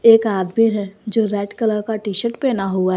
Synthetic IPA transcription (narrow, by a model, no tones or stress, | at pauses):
eːkaːd̪miɾɦɛd͡ʒoːɾɛːʈkələɾkaʈiːʃəʈpenaɦuaɦ